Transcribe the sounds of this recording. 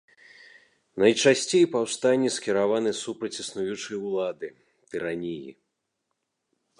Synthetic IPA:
nɐjt͡ʂasʲt͡sʲejpawst̪anʲːiskʲiɾavanɨsupɾɐt͡sʲisnujut͡ʂɨjwlˠad̪ɨ | t̪ɨɾanʲijḭ

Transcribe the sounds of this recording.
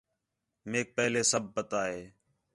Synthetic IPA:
meːk̚pɛːleːsəb̚ʱːət̪aːɦeː

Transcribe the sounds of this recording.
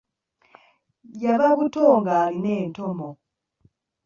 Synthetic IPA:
jaβakutʰɔŋɡalinɛntʰɔmɔ

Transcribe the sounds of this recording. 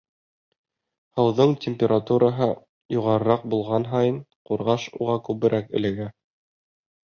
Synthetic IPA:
hɤ̆wðɤɴtʲɪmʲpʲɪɾʔat̪uɾʔɑɦɤ | juʁɑɾɤ̆ɾɑq̚bulˠʁɑnɦɑjɤnquɾʁɑʃuʁɑkʉβɘ̆ɾʔækɘ̆lɘ̆ɡæ

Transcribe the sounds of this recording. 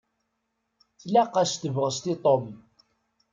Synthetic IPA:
θlæqːaʃt̪əvʁəst̪it̪ˤom

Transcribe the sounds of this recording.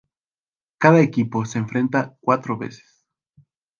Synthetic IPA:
kaðaekipo̞se̞ːɱfɾe̞nt̪akwat̪ɾoβe̞̰se̥s

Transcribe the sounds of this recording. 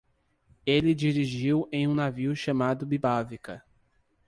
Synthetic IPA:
elɪd͡ʒiɾiʒiwẽj̃ũnaviwʃɐmad̪ʊbibavikɐ

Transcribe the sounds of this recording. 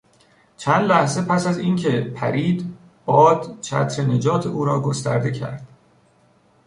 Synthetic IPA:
t͡ʃʰænd̪læhze̞pʰæsæzincʰe̞pʰæ̰ɾiːd̪ | b̥ɒːd̪̥t͡ʃʰæ̰t̪ʰɾene̞d͡ʒɒːt̪ʰeʔuːɾɒːɡost̪æɾd̪e̞cʰæ̰ɾd̪̥

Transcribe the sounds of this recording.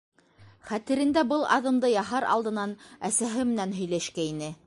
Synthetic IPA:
χæt̪ɘ̆ɾɘ̆nd̪æbɤlˠɑ̰ðɤ̆md̪ɤjɑɦɑɾɑ̰lˠd̪ɤ̆nɑnæsæɦɘmɘ̆nænɦɵ̆jlæʃkæinɘ

